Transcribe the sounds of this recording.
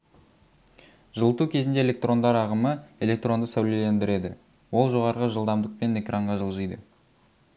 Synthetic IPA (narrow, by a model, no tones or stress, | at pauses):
ʒ̥əlˠət̪ukʲʰe̞zɪnd̪e̞elʲe̞k̚t̪ro̞nd̪ɑɾɑʁəməe̞lʲek̚t̪ro̞nd̪əsæwlele̞nd̪ɪɾe̞d̪ɪ̰ | wo̞lˠʒo̞ʁɑɾʁəʒəlˠd̪ɑmd̪əq̚pe̞ne̞krʔaɴʁɑʒəlˠʒəjd̪ə